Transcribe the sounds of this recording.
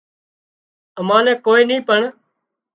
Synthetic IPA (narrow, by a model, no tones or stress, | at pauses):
əmãːnɛ̃ːkoːiːnĩːpəɳ